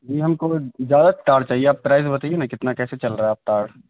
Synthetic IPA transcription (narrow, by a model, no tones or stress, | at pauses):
d͡ʒiːɦɐmkozjaːd̪aʈaːɾɽt͡ʃaːɦieaːppɾaːɪzbɐt̪aienakɪt̪nakɛːset͡ʃɐlɾɐeaːp̚ʈaːɽ